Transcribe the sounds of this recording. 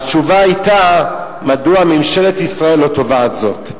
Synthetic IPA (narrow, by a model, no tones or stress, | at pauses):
t͡ʃuvaajta | maduamimʃelet̪isʁae̞lːo̞to̞vatzo̞t